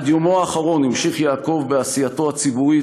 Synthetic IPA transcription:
d̪jomoaːχaʁo̞nimʃiχjaːko̞vbeasijato̞at͡sibui

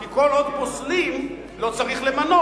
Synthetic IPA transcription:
kiko̞lod̪poslim | lo̞t͡saʁiχlemano

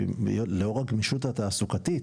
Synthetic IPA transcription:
joleoʁaɡmiʃut̪at̪aːsukat̪i

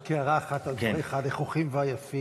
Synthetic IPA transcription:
keaʁaːχat̪aldeeχadleχuχimveajafi

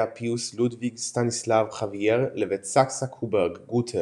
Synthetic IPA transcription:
apʰiuslud̪viɡstanislavχaviɛʁlɛvɛt͡saksakʰubɛʁɡɡutʰɛ

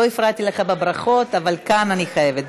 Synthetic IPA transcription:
oifʁat̪ileχabebʁaχo̞t̪avalkananiχaje̞vet̚

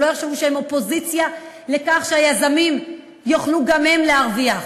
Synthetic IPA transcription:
ojaχʃevuʃeemo̞po̞zit͡sja | le̞kaχʃeajazamim | joχluɡamhe̞mleaʁviaχ

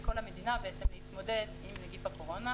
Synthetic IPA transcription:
kolamed̪inabeet̪semeit̪mod̪ed̪imleɡipapoʁona

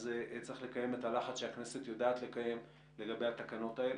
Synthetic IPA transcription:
zet͡sʁiχle̞kaje̞me̞talaχat͡sʃeakne̞se̞tjodaːt̪le̞kaje̞m | le̞ɡabejat̪akano̞tael

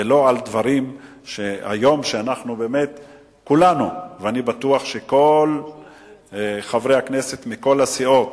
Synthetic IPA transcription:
elo̞ald̪vaʁim | ʃea̰jo̞mʃeanaχnube̞ːme̞t̪ | kulanuveanibat̪uaχʃe̞ko̞l | χavʁejhaknese̞t̪miko̞lasiʔo̞t̪

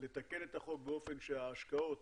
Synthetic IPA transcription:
le̞t̪ake̞ne̞t̪aχo̞k̚beo̞fe̞nʃeaːʃkao̞t

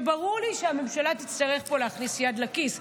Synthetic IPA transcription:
baʁuʁliʃeame̞mʃalat̪it͡st̪aʁe̞χpo̞leaχnisjad̪lakis

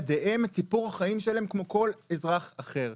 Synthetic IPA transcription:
d̪eʔemet͡sipuʁhaχaimʃelaemkmo̞ko̞lezʁaχaχe̞ʁ

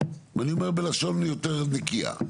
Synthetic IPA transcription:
maniomeʁbelaʃo̞nlijoteʁnekia̰

